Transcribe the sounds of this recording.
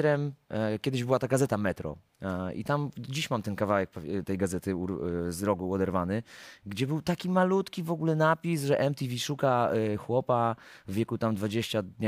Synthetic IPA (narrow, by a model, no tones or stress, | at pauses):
ɾɛmkʲjɛd̪ɘʑbɘwat̪aɡazɛt̪amɛt̪ɾɔ̰ | ḭt̪amd͡ʑiɕmamt̪ɛnkavawɛk̚pɔt̪ɛjɡazɛt̪ɘṵzɾɔɡuɔd̪ɛɾvanɘɡd͡ʑɛbɘwt̪akʲimalut̪kʲivɔɡulɛnapʲisʐɛʔɛmt̪ʲivʲiʂukaxwɔpavːʲjɛkut̪amd̪vad͡ʑeɕt͡ɕad̪ɲ